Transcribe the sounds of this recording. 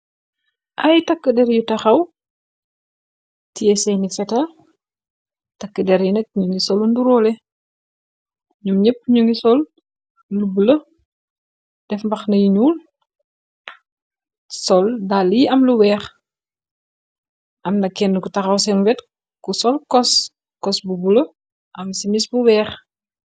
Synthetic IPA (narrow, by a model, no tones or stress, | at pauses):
ʔɐjtɐkːədɛɾjutɐxɐw | tijɛsɛnifɛtɐ | tɐkːədɛɾjunɛk̚ɲuŋisɔlunduɾɔlɛ | ɲumɲɛp̚ːɲuŋɡisɔl | lubulɐ | d̥ɛfmbɐxnɐjiɲuːl | sɔldaljiɐmluwɛːx | ʔɐmnɐkːɛndkutɐxɐwsɛmwɛt | kusɔlkɔs | kɔsbubulɐ | ʔɐmsimisbuwɛːx